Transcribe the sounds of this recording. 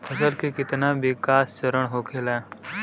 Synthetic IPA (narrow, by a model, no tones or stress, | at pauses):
ɐsəlkekɪt̪nabɪkaːst͡ʃəɾəɽɦoːkʰelɛː